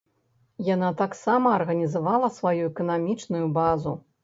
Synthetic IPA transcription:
janat̪aksamɐːrɣɐnʲizavalˠɐsvajuɛkɐnamʲit͡ʂnujubazu

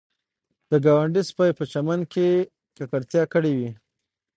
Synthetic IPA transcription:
d̪̥əɡawaɳɖispajpət͡ʃamanke | kakaɾt̪jɑkəɽewi

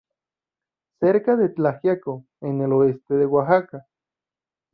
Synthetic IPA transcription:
seɾkaðetahjako | eneloest̪eðewaɦaka

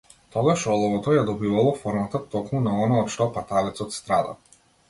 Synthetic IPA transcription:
t̪ɔɡaʃɔlˠɔvɔt̪ɔjad̪ɔbivalˠɔfɔɾmat̪at̪ɔkmunaɔnaɔt̪ʃt̪ɔpat̪alɛt̪sɔt̪st̪ɾad̪a̰

